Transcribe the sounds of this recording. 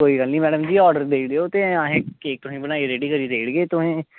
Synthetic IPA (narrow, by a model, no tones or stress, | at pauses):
koːiːɡəlniːmɛːɖəmd͡ʒiːɔːɾɖəɾd̪eːɽeːoːt̪eãːɦẽːkeːk̚t̪ʊsĩːbənaːiɾeːɖiːkəɾiːd̪eːɽɡeːt̪ʊsẽː